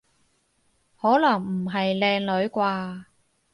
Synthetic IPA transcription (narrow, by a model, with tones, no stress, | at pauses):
hɔː˨˥lɐ˨˩ŋm̩˨˩ɦɐ˨jlɛː˧ŋlɵ˨˧˥ɥkʷaː˧